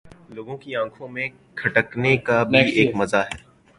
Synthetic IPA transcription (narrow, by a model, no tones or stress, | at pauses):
loːɡõkiãːkʰõmẽ | kʰɐʈəknekabiʔeːkmɐzaɦɛː